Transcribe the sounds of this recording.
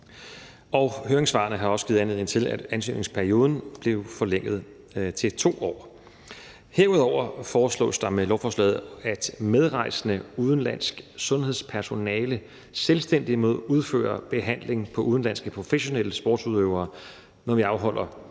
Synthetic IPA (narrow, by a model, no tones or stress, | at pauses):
ɒhøːɐeŋsʋɑ̈ɐnəɦɑ̈ɒ̽səɡ̥iːð̩ˠænleðˠent͡sʰe̝læd̥ænsy̰ːne̝ŋspʰæɐio̝ːðˠn̩b̥le̝ʊfɒ̽leŋ̰ð̞̩ˠ | t͡sʰe̝t͡sʰo̝̰ːɒ̰ː | heɐ̰uðˠɒʊ̰ɐfɒːslɔ̰̽ːsd̥ɑ̈melɒʊfɒːslɛ̰ːð̩ˠæd̥með̞ˠʁɑ̈ɪsənəuːð̞ˠn̩læn̰sɡ̥sɔ̽nhe̝ðˠspʰæɐso̝nɛːlə | selsd̥en̰d̥imo̝ð̞̰ˠuð̞ˠfø̰ːɐb̥e̝ɦæn̰le̝ŋpʰɒ̽uðˠn̩læn̰sɡ̥əpʰʁo̝feɕo̝nel̰əsb̥ɒ̰ːd̥suð̞ˠøʊ̰ɐː | nɒʋiɑ̈ʊɦɒ̽l̰ʔɐ